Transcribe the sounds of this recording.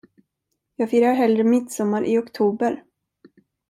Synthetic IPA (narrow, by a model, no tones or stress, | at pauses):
jɑːɡfiːɾaɾɦɛld̪ɾəmɪt̪sɔmːaɾʔɪɔkt̪ʰuːbəɾ